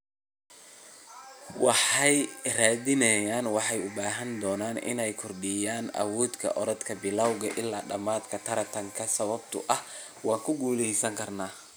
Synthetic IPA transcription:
wɑħɑjraːðɪnɛjaːnwɑħɑjʊbaːɦɐnd̪ɔːnaːnɪ̰nɛjkʰɔrɖɪjaːnɐ̰wɔːd̪kʰɐ̰ʔɔɾɐd̪kʰɐbɪlawɣɐʔɪlːaːɖɐmaːd̪kʰɐt̪ʰɐɾɐt̪ʰɐŋkʰɐsɐβɐb̚t̪ʰʊ̰ʔɐh | wɑːŋkʰʊɡuːlɛjsɐŋkʰɐrnaː

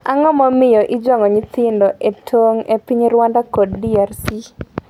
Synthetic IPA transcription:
aŋɔmɔmɪjɔʔɪd͡ʒɔŋɔɲit̪ɪndɔʔetʰoŋepiɲɾwandakɔddiarsi

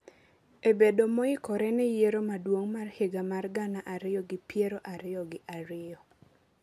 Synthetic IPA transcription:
ebedomɔɪkɔɾɛnɛjeɾomadwoŋmarheɡamarɡanaʔaɾɪjɔɡɪpjeɾoʔaɾɪjɔɡɪʔaɾɪɔ

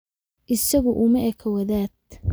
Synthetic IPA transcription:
ʔɪsɐɣʊʔʊmɐʔɛkʰɐwɐðaːd̪̚

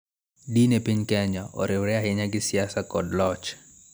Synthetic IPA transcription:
dinepiɲkɛɲaɔ̰ɾɪwɾɛaɦɪɲaɡɪsɪasakɔdlɔt͡ʃ

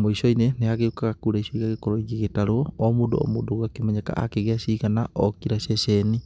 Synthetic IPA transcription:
moisoineneaɣeukaɣakuɾaisoiɣaɣekoɾoiɣiɣetaɾoɔɔmundo̰ɔ̰muːdoɣwakemaɲaka̰ʔa̰keɣeasiɣanaʔɔkiɾasɛsɛni

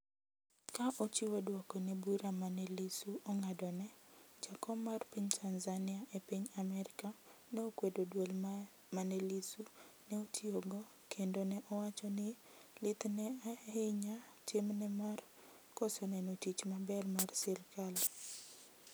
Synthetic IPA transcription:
kaʔot͡ʃɪwodwɔkɔnɛbuɾamanɛlisuʔɔŋadɔnɛd͡ʒakɔmːarpiɲtʰanzanɪaʔepiɲamɛɾɪka | nɛokwedodwol | manɛlisunɛotʰioɡɔ | kʰendonɛʔɔwat͡ʃɔnɪ | lɪt̪nɛaeɲatimnɛmar | kɔsɔnɛnotit͡ʃmabɛrmarsɪrkal

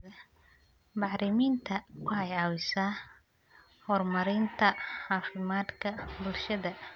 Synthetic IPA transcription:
ɐ | bɑħɾɪmiːnt̪ʰɐkʰʊħɑjɑːwɪsaː | hɔrmɐɾɪnt̪ʰɐħɑːfɪmaːd̪kʰɐbʊlʃɐðɐ

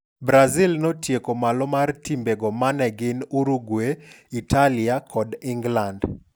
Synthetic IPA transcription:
bɾazilnɔtjekomalɔmartimbeɡɔmanɛɡɪnuɾuɡwe | italiakʰɔdɪŋɡland

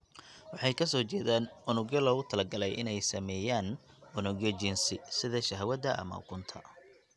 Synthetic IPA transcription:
wɑħɑjkʰɐs̬ɔːt͡ʃɛːðaːnʊnʊɡjɔlɔːɣʊt̪ʰɐlɐɡɐlɛjʔɪnɛjsɐmɛːjaːn | ʊnʊɡjɔt͡ʃɪnsɪsɪðɐʃɐɦɐwɐd̪ɐʔɐ̰mɐ̰ʊ̰kʰʊnt̪ʰɐ̰

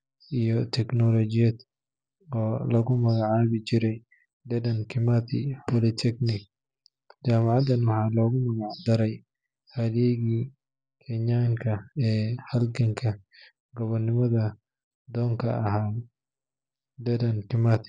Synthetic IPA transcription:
ijɔt̪ʰɛknɔlɔt͡ʃɪjɐd̪ | ɔːlɐɣʊmɐɣaʕaːβɪt͡ʃɪɾɛj | d̪ɛdɐnkʰɪmat̪ʰɪ̰pɔlɪt̪ʰɛknɪ | d͡ʒaːmɑʕɑd̪ɐnwɑħɑːlɔːɣʊmɐɣaʕd̪ɐɾɛj | hɐdɛɣiː | kʰɛɲaːŋkʰɐɛːhɐlɡɐŋkʰɐ | ɡɔβɐrnɪmɐðɐ | d̪ɔːŋkʰɐ̰ɐɦaː | d̪ɛdɐnkʰɪmat̪ʰɪ̥

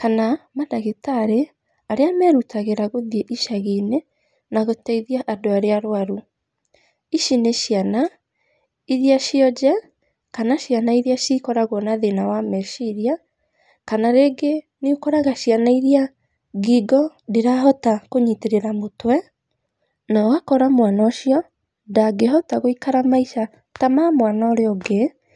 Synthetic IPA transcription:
kanamadaɣetaɾe | aɾeamɛɾutaɣeɾaɣoðjeʔiʃaɣine | naɣotɛiðiaʔadoaɾeaɾwaɾu | iʃineʃiana | iðiaʃiɔd͡ʒɛ | kanaʃianaiɾiaʃikɔɾaɣɔnaðenawamɛʃiɾia | kanaɾeɡe | niukɔɾaɣaʃianaiɾia | ɡiɡɔdiɾaɦɔtakoɲiteɾeɾamotwɛ | nawakɔɾamwanɔʃiɔ | daɡeɦɔtaɣoikaɾamaiʃa | tamamwanaɔɾeɔɡe

